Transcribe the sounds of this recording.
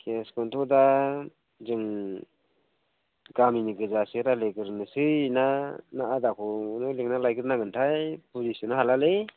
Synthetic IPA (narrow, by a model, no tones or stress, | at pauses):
kʰeskɔntʰɔda | zɯŋ | ɡaminiɡɯzasɯɾaleɡɯɾnɯsɯjnanaʔadakʰɔnɯleŋnalajkɯɾnaɡɯntʰajpʰuzisɔnaɦalale